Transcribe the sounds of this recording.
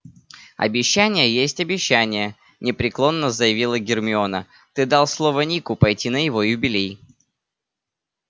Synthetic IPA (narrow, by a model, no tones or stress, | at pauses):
ɐ̰bʲɪɕːænʲɪjəjesʲtʲɐbʲɪɕːænʲɪjə | nʲɪpɾʲɪklˠo̞nːəzəjɪvʲilˠəɡʲɪrmʲɪo̞nə | t̪ɨd̪ɑlˠslˠo̞vənʲikʊpɐjtʲinəjɪvo̞jʊbʲɪlʲej